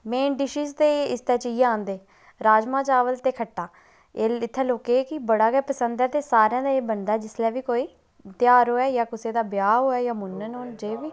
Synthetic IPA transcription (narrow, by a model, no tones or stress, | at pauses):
meːnɖɪʃiːzt̪eːɪst̪ɛːt͡ʃiːãːnd̪eː | ɾaːd͡ʒmãːt͡ʃaːʋəlt̪eːkʰəʈːaː | eːɪt̪ʰːɛ̃ːloːkeːkɪbəɽaːɡɛːpəsənd̪ɛːt̪eːsaːɾeãːd̪aːeːbənd̪aːɛːd͡ʒɪslɛːʋiːkoːiː | t̪ɪjaːɾoːɛːjaːkʊseːd̪aːbjaːɦoːɛːjaːmʊnːənɦoːnd͡ʒeːʋiː